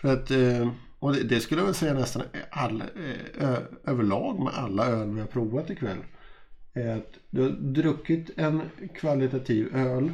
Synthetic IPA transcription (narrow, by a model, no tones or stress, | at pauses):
fœɾat̪ | ɔd̪ɛd̪ɛskɵləjɛvɛlsɛjːanɛst̪analːøøːvəɭɑːɡmɛ̰ʔa̰lːaøːlvɪhaɾpʰɾuːvat̪ɪkʰvɛ̰lː | æɾɾat̪d̪ɛhad̪ɾɵkːɪt̪ɛnkʰvalɪt̪at̪ʰiːvøːl